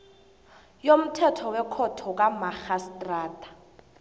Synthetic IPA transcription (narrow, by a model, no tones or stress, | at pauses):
jom̩tʰɛtʰɔwɛkʰɔtʰɔk̬ʼamaxastʼraːtʼḁ